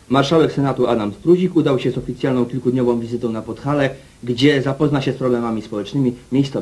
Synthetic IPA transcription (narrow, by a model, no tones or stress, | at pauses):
maɾʂawɛksɛnat̪uad̪amspɾuʑikud̪awɕɛzɔfʲit̪sʲjalnɔ̃w̃kʲilkud̪ɲɔvɔ̃w̃vʲizɘt̪ɔ̃w̃napɔt̪xalɛ | ɡd͡ʑɛzapɔznaɕɛspɾɔblɛmamʲispɔwɛt͡ʂnɘmʲimʲejst̪sɔ